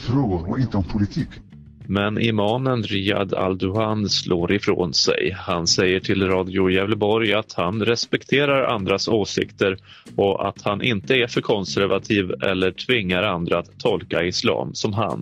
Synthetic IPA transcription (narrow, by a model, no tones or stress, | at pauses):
fɾoːɡʊɾɔ̰ɪnt̪əɔmpʰʊlɪt̪ʰiːk | mɛnʔɪmɑːnənɾiːa̰d̪a̰ld̪ɵanslʔoːɾɪfɾo̰ːnsɛ̰jhansɛjːəʈʰɪlɾɑːd̪ɪʊjɛvlbɔɾjat̪hanɾɛspɛkt̪ʰeːɾaɾa̰nd̪ɾasoːsɪ̰kt̪əɾ | ɔʔa̰t̪hanʔɪnt̪əæɾfœɾkʰɔnsæɾvat̪ʰiːvɛ̰lːəʈʰvɪŋːaɾand̪ɾaat̪ʰːɔlkaɪslɑ̰ːmsɔmɦa̰n